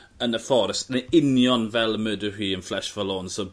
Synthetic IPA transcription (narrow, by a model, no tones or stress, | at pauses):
ənəfɔɾəstneɪnjɔnvɛlˠəmədəhiːənflɛʃvəlˠoːnsɔ